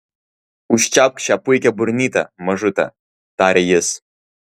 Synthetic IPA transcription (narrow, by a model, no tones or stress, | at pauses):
uʃʲt͡ʃap̚kʃʲapujkʲɛburnʲit̪ɐ̰mɐʒɨt̪ɐ̰ | t̪aɾʲejɪs